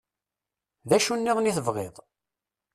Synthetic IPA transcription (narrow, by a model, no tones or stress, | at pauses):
ðæʃunːiðniθəvʁɪ̰ðˤ